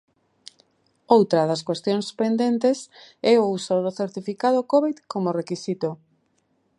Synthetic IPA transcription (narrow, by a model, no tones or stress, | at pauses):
owt̪ɾɐðɐs̬kwest̪joŋspend̪ent̪esɛousoðoθeɾt̪ifikað̞okoβit̪komorekisit̪o